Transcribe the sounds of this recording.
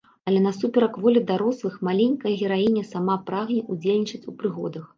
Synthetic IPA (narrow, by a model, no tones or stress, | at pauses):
ɐlʲɛnɐsupʲɛɾɐkvɔlʲid̪aɾɔslˠɨxmalʲenʲkɐjɐɣʲɛɾajinʲɛsamapɾaɣnʲɛʔud͡zʲelʲnʲit͡ʂɐt͡sʲupɾɨɣɔ̰d̪ɐx